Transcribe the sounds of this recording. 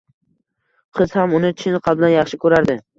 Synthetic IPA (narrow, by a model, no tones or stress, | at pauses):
qʰɨz̥hamʊnɪt͡ʃʰɪnqʰɑbɪlanjɑχʃɪkʰɵɾaɾd̪ɪ